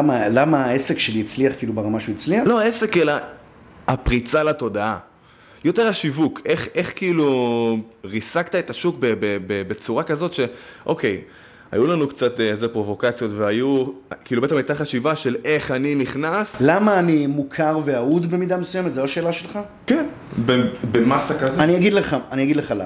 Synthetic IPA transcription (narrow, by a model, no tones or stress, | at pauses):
amalamaaesekʃeliit͡sliaχkilubeʁamaʃujit͡slialo̞ae̞se̞kelaː | pʁit͡salato̞d̪aa | jo̞te̞ʁaʃivukʰe̞χe̞χkiilu | ʁisakt̪ae̞t̪aʃukbebebebe̞t͡suʁakazo̞t̪ʃe̞ʔo̞ke̞j | a̰julanukt͡sat̪eezepʁo̞vo̞kat͡sjotveajukiiːlubet̪emajtaχaʃivaʃe̞le̞χaniniχnaslamaːnimukʰaʁveaud̪be̞mid̪amesujemet̪zeoaʃe̞ːlaʃelχa | ken | bebemasakazeaniaɡid̪leχaaniaɡid̪leχala̰